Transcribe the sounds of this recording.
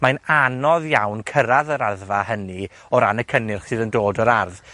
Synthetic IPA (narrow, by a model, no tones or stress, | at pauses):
mananɔðjawnkʰəɾaðəɾaðvahənɨ | ɔɾanəkʰənɪrχsɨːðəndoːdɔɾarð